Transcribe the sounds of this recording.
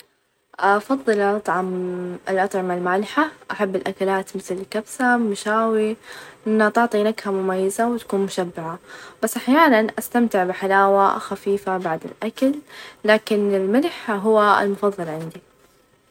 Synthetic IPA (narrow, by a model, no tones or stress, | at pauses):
ʔafɑðˤːɨlaʔɑt̪ˤʕɑmɪlʔɑt̪ˤʕɪmalmaːlɪħaʔaħabːɪlʔakalaːt̪mɪθlkabsamʊʃaːwiʔɪnːat̪ɪʕt̪ˤinakhamʊmajːazawɪt̪ḁkuːnmʊʃabːɪʕab̥asːʔaħjaːnanʔast̪amt̪ɪʕbɪħalaːwa̰xafiːfabaʕd̪ɪ̰lʔakalːaːkɪnɪlmɪlħɦʊwːaɪ̰lmʊfɑðˤːɨlʕɪnd̪i